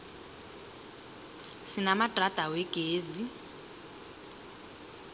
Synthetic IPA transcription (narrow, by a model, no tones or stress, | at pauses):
sinamatrat̪ʼawɛɡ̥ʱʼeːzi